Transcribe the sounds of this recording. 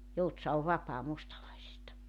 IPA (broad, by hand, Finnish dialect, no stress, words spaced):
joutsɑ oʋ ʋɑpɑː mustɑlɑisistɑ